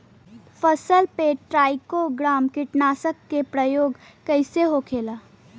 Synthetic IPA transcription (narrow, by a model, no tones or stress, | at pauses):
fəsəlpeːʈɾaːɪkoɡɾaːmkɪʈnaːsəkːepɾəjoːɡ | kəɪseɦokʰeːlaː